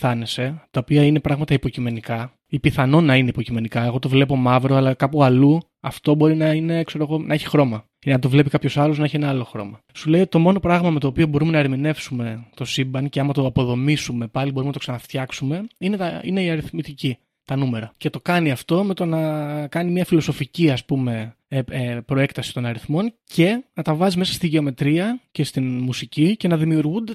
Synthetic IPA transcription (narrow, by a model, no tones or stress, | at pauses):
θɐnese̞t̪ɐopiɐine̞pɾɐɣmɐt̪ɐipo̞cime̞nikɐ | ipiθɐno̞nɐine̞ipo̞cime̞nikɐe̞ɣo̞t̪o̞vle̞po̞mɐvɾoɐlɐkɐpuɐlu | ɐft̪o̞bo̞ɾinɐine̞kse̞ɾo̞ɣo̞nʔɐeçi̥xɾo̞mɐ | inɐt̪̬ovle̞pikɐpço̞sɐloznɐeçienɐɐlo̞xɾo̞̰mɐ | sule̞io̞t̪it̪omo̞no̞pɾɐɣmɐme̞t̪o̞ːpio̞bo̞ɾume̞nɐeɾmine̞fsume̞t̪o̞sibɐnceɐmɐt̪o̞ɐpo̞ðo̞misume̞pɐlibo̞ɾumenɐt̪osɐnɐft̪çɐksume̞inet̪ɐḭne̞iɐɾiθmit̪ici | t̪ɐnume̞ɾɐce̞t̪o̞kɐniɐft̪o̞met̪o̞nɐkɐnimɲɐfilo̞so̞ficiɐspume̞ | pɾo̞ekt̪ɐsi̥t̪o̞nɐɾiθmo̞nce̞nɐt̪ɐvɐzizme̞sɐ̥st̪iʝe̞o̞me̞t̪ɾiɐce̞st̪inmusicice̞nɐðimiuɾɣund̪e